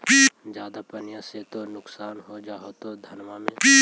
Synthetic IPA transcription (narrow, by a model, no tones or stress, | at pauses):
biːd͡ʒjaːd̪apənjaset̪onʊksaːnɦod͡ʒaːɦot̪od̪ʱɐnʋamẽbiː